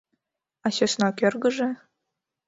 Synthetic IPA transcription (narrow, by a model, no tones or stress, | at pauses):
ɑsʲesnɑkʲørɡə̆ʒĕ